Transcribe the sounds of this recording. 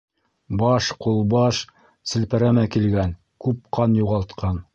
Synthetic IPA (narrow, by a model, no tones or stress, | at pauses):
bɑʃqulˠbɑʃ | sɘ̆lpæɾæmækilɡæn | kʉp̚qɑnjuʁɑlˠt̪qɑn